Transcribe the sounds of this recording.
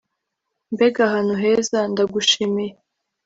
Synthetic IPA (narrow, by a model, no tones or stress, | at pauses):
mbeɡahanuɦezandaɡuʃimije